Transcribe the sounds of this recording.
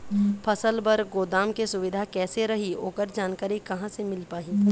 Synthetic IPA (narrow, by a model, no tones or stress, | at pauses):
pʰɐsəlbɐɾɡoːd̪aːmkesʊʋɪd̪ʱakɛːseɾɐɦio̰ːkəɾd͡ʒaːnkaːɾikɐɦãsemɪlpaːɦĩː